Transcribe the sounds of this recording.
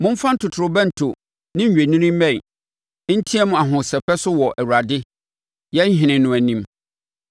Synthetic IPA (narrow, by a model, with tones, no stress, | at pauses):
mʊ̃˦m̩˦fã˦n̩˦tʰʊ˨tʰʊ˨ɾʊ˨bɛ̃˦n̩˨tʰʊ˨ | nɪ̃˦ɲ˨ɥᶣe˨nĩ˦nĩ˦m˦mɛ̃˨˦ | n̩˦tʰĩ˦ɛ˦mʊ̃˨a˨ɦʊ̃˨sɛ˨pɛ˦sʊ˦wɔ˨ʔæ˨wu˨ɾa˨dɪ˦ | jɛ˦n̩˦ɦɪ̃˨nɪ̃˨nʊ̃˨æ˨nĩ˦m